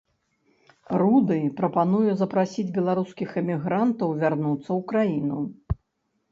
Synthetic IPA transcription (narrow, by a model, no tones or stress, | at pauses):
rud̪ɨpɾɐpanujuzɐpɾasʲid͡zʲbʲɛlˠaɾuskʲixɛmʲiɣɾant̪ɐwvʲarnut̪sːɐwkɾajinu